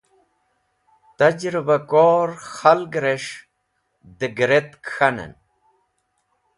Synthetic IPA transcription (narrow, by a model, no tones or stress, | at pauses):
t̪ɐd͡ʑɾibakoːɾxalɡɾeʂ | d̪əɡɾet̪kxanə̰n